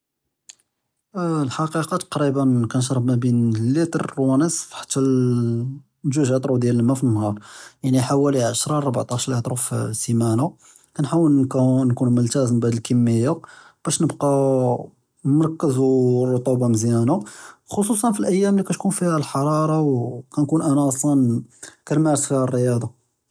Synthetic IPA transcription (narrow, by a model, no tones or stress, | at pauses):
lħɑqiqɑt̪ɑ̥qɾibənkænʃ̬ɾˤəbmæbinlːit̪əɾwænəsfħḁt̪ːæl | ʒuʒæt̪ˤɾud̪jæləlmæfənːhɑɾˤjaʕniħawæliʕaʃɾˤɑˤɑbʕt̪ˤɑʃɾlit̪ˤɾˤufsimæna | kænħawəlnknkunmʊlt̪æzmbʕad̪əlkəmːəjːa | b̥æʃnəbqɑ | mɑɾˤkːəzurˤːot̪ˤubɑmzjænaxos̬ˤus̬ˤɑnfilʔəjːæmlikæt̪kunfihælħɑɾˤɑɾˤɑwkænkunʔænæsˤɑnkænmaʕɾəsfihærːəjɑd̪ˤɑ